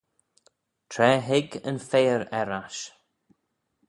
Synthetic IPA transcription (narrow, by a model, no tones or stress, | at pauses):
t̪ʰɾɛːɦɪɡənfeːəɾɛɾaʃ